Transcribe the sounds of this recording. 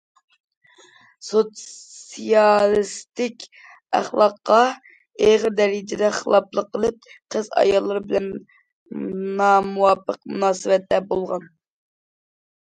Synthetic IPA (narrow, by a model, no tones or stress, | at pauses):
so | ijɑlˠist̪ɪkʲ | æ̰χlˠɑqːɑ | eʁəɾd̪ɛɾɪd͡ʒɪd̪ɛχəlˠɑplˠəqːəlˠɨp̚qʰəzɑ̰jɑlˠːɨɾɨbɪlɛn | nɑmuwɑpːəqmṵnɑːsɨwɛt̪ːɛbolˠʁɑn